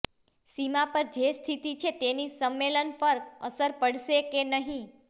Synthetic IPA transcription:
simapəɾd͡ʒest̪ʰit̪it͡ʃʰet̪enisəmːelənpəɾəsəɾpəɽʃekenəɦĩ

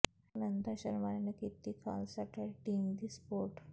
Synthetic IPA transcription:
lənt̪aɕəɾmaɾenəkit̪ikʰa̰lsaʈʰaʈind̪ispoɾʈ

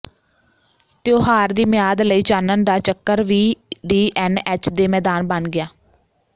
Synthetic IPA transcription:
t̪joːɦaːɾd̪iːmɪjaːd̪ləiːt͡ʃaːnənd̪aːt͡ʃəkːəɾʋiːɖiːʔɛːnɛːt͡ʃd̪eːmɛːd̪aːnbənɡɪjaː

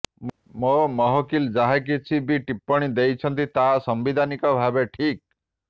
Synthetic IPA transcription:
mɔmɔɦɔkild͡ʒaɦak̬it͡ʃʰibiʈipːɔɽ̃id̪ejt͡ʃʰɔnt̪it̪asɔmbid̪ʱanikɔbʱabeʈʰik̚

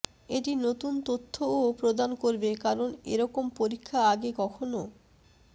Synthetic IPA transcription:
eʈinot̪unt̪ot̪ʰːoopɾod̪ankoɾbekaɾoneɾɔkompoɾikʰːaaɡekɔkʰono

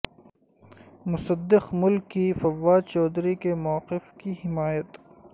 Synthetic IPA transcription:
mʊsɐd̪ːɪxmʊlkːifɐʋːaːdt͡ʃɔːd̪ɾikemɔːqɪfkihɪmaːjət̪

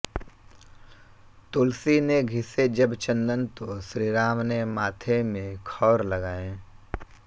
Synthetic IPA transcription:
t̪ʊlsineɡʱɪsed͡ʒəbt͡ʃə̃nd̪ənt̪osɾiːɾaːmnemaːt̪ʰemẽkʰɔːɾləɡaːẽː

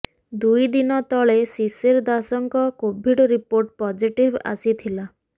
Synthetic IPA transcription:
d̪ujd̪inɔt̪ɔɭesisiɾd̪asɔŋkɔkobʱiɽɔɾipoɾʈpɔd͡ʒiʈiba̰sit̪ʰila

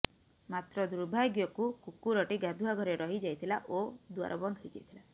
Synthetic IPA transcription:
mat̪ɾɔd̪uɾbʱajɡjɔkukukuɾɔʈiɡad̪ʱuɦaɡʱɔɾeɾɔɦid͡ʒajt̪ʰilaʔod̪wa̰ɾʔɔbɔnɦɔjd͡ʒajt̪ʰila

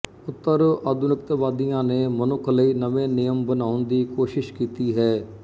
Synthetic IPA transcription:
ʊt̪ːəɾʔəd̪ʱʊnɪkt̪ʋaːd̪ijãːneːmənʊkʰləiːnəʋẽːnɪjəmbənaːʊnd̪iːkoːʃɪʃkiːt̪iːɦɛː

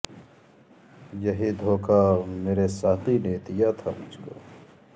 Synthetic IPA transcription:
jɐɦid̪ʱoːkameːɾesaːt̪ineːt̪ijat̪ʰamʊt͡ʃko̰ː

